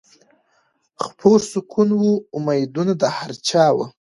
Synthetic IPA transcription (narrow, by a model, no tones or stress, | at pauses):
xpʰoɾsʊkʰunwuːmajd̪unad̪əhaɾt͡ʃɑwə